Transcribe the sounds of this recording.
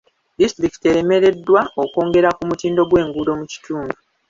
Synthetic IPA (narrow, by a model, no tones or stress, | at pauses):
distɾiki̥teɾe̞me̞ɾe̞dːwaoko̞ːŋɡe̞ɾakumutiːndo̞ɡwe̞ːŋɡulo̞muci̥tuːndu